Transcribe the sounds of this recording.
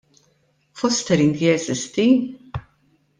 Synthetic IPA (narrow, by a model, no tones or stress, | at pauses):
fɔst̪ɛɾɪnd̪iɛzɪst̪i